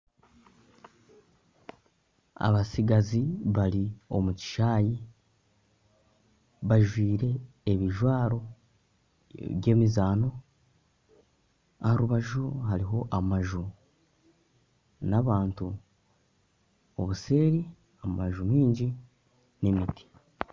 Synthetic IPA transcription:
a̰βasiɡaziβaɾio̞̰muci̥ʃaːji | βaʒwiːɾe̞ː | βiʒwaːɾo̞ | βje̞ːmizaːno̞ | a̰haɾuβaʒuɦaɾiɦo̞ʔamaʒu | naβaːntu | oβuse̞ːɾi | amaʒumiːɲɟi | nemiti̥

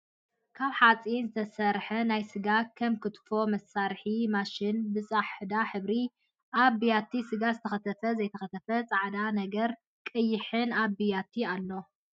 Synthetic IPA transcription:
kʰaβħat͡sʼinzɨt̪ʰɐsɐɾħɐnajsɨɡakʰɐmkʰɨt̪ʰfo̞mɐsːaɾħimaʃɪnbɨt͡sʼaħɨd̪aħɨβɾi | ʔaβijat̪ʰːisɨɡazɨt̪ʰɐxɐt̪ʰɐfɐzɐjt̪ʰɐxɐt̪ʰɐfɐt͡sʼaʕd̪anɐɡɐɾ | kʼɨjːɪħɨnabijat̪ʰialːo̞

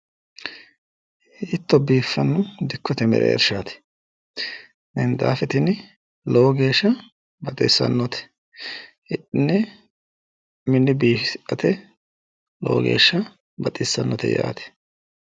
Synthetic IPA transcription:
ɪt̪ːɔbiːfːɐnːʊd̪ɪkʰːɔt̪ɛmɛ̰ɾɛ̰ɛ̰ɾʃaːt̪ɛ̥ | nɛnd̪a̰ːfɛt̪ɪn | lowɡe̞ːʃːɐ | bɐt̪ʼɪsːɐ̰nːɔt̪ɛ̥ | ɪʔɪnːɛ | mɪnːɪbiːʔɐt̪ɛ | lo̰wɔɡe̞̰ːʃːɐ | bɐt̪ʼɪsːɐnːɔt̪ɛ̰ja̰ːt̪ɛ̥

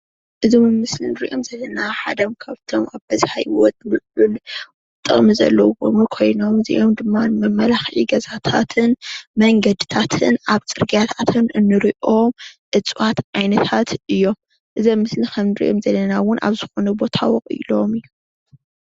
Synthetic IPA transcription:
ʔɨzimɨmːɨslinɨɾiʔo̞mzɐlːɐnaħad̪ɐmkʰaβt̪ʰomaβbɐzħa̰jwɔt̪̚mɨʔul | t̪ʼːɨχʼmizɐ̰lːɐwo̰mkʰo̞jno̞mzḭʔo̞md̪ɨmːanɨmɐmːɐlaxʕiɡɐzat̪ʰat̪ʰɨnmɐŋɡɐd̪ɨt̪ʰat̪ʰɨnʔaβt͡sʼɨɾɡijat̪ʰat̪ʰɨnɨnːɨɾiʔomʔɨt͡sʼwat̪ʕajnɐt̪ʰat̪ɨjːo̞m | ʔɨzɐmːɨslikʰɐmnɨɾḭʔo̞mzɐlːɐnawʊnʔa̰βzɨxonɐbo̞t̪ʰa̰wxʼɨ̰lo̞mɨjːu

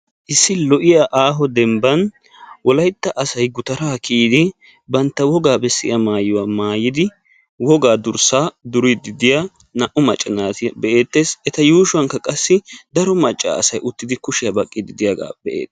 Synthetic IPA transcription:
ʔɪsːɪlɔʔɪjaʔaːɦɔd̪ɛmbɐn | wɔlɐjt̪ːɐʔɐsɐjɡʊt̪ɐɾaːkiːd̪ɪ | bɐnt̪ːɐwɔɡaːbɛsːɪ̰ʔɐmaːjʊwaːmaːjɪd̪ɪ | wɔɡaːd̪ʊɾsaːd̪ʊɾɪd̪ɪd̪ɪjaː | nɐʔʊmɐt͡ʃʼːɪnaːt̪ɪbɛʔeːt̪ːeːsɛt̪ɐjuːʃʊwɐŋkːɐkʼɐsːɪd̪ɐɾɔmɐt͡ʃʼːa̰ːɐ̰sɐjʔʊt̪ːɪd̪ɪkʊʃɪjɐbɐkʼːɪd̪ɪd̪ɪjɐɡa̰ːbɛʔḛːd̪ɐ

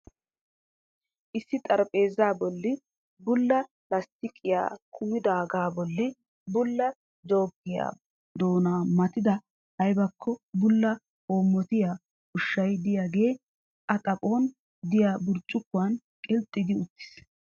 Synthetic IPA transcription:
ʔɪsːɪt̪ʼɐɾpʼe̞ːzaːbɔlːɪ | bʊlːɐ | lɐst̪ɪkʼɪja̰ːkʰʊjɪd̪aːɡaːbɔlːɪ | bʊlːɐ | d͡ʒo̞ːɡːɪja̰ː | d̪o̞ːnaːmɐt̪ɪd̪ɐ | hɐjbɐkʰːɔbʊlːɐ | ho̞ːmːɔt̪ɪjaː | ʊʃːɐjd̪ɪjaːɡe̞ː | ʔɐt̪ʼɐpʼo̞ːn | d̪ɪjaːbʊɾt͡ʃʼːʊkːʊan | kʼɛlt̪ʼːɪd̪ɪʊt̪ːɪ̥s

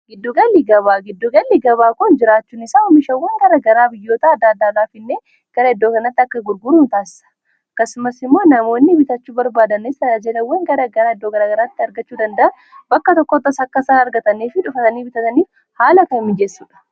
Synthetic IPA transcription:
ɡɪd̪ːʊɡɐlːiɡɐβaːɡɪd̪ːʊɡɐlːiɡɐβaːkʊnd͡ʒɪɾaːt͡ʃːuːnɪsaːɔmɪʃɐwːɛŋɡɐɾɐɡɐɾaːbɪjːoːt̪aɐd̪ːaːd̪ːaːd̪aːfɪnːeː | ɡ̥ɐɾɐɛd̪ːo̞ːkɐnɐt̪ːɪɐkːɐɡʊɾɡʊɾuːnt̪aːsɪ̥sɐ̥ | kːɐsʊmɐsɪmːo̞ːnɐmo̞ːnːɪbɪt̪ɐt͡ʃːuːbɐɾbaːd̪ɐnesɪɾɐd͡ʒɛlɐwːɛŋɡɐɾɐɡɐɾaːɪd̪ːoːɡɐɾaːɡɐɾaːt̪ːɪɐɾɡɐt͡ʃːuːd̪ɐnd̪ɐʔɐn | bɐkːɐt̪ɔkːɔt̪ːɐsɐkːɐsaːnɐɾɡɐt̪ɐniːfɪᶑʊfɐt̪ɐniːbɪt̪ɐt̪ɐniːf | haːlɐkɐɪmːɪd͡ʒesːuːᶑɐ̥

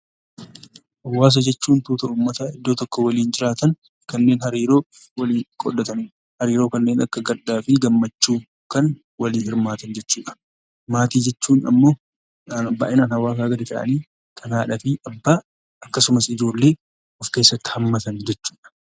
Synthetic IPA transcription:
ʔɐwːaːs̬ɐd͡ʒɛt͡ʃːuːnt̪uːt̪ɐʔuːmːɐt̪aɪd̪ːo̞ːt̪ɔkːɔwɐliːnd͡ʒɪɾaːt̪ɐn | kɐnːe̞ːnhɐɾiːɾo̞ː | wɐliːnkʼɔ̰ɗɐt̪ɐni | hɐɾiːɾo̞ːkɐnːe̞ːnɐ̰kːɐɡɐɾᶑaːfɪɡɐmːɐt͡ʃːuː | kɐn | wɐliːhɪɾmaːt̪ɐnd͡ʒɛt͡ʃːuːᶑɐ̥ | maːt̪iːd͡ʒɛt͡ʃːuːnɐ̰mːo̞ː | ba̰ːʔɪnaːnhɐwaːkaːɡɐd̪ɪk̪ɐ̰ʔɐ̰niː | kʰɐnaːᶑɐfiɐbːaː | ʔɐkːɐsʊmɐsɪd͡ʒo̞ːlːe̞ː | ʔɔfke̞ːsːɐt̪ːɪ̥hɐmːɐt̪ɐnd͡ʒɛt͡ʃːu̥ːᶑɐ̥

